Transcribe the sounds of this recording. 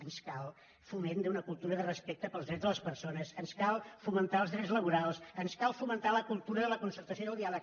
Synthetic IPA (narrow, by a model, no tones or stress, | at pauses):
ənskalˠ | fumend̪əunəkulˠt̪uɾəðərəspek̚t̪əpəlˠzðɾɛd͡zðələspəɾsonəsənskalˠfumənt̪aəlˠzðɾɛd͡zzləβuɾalˠsənskalˠfumənt̪aləkulˠt̪uɾəðələkunsəɾt̪əsioðəlˠd̪ialək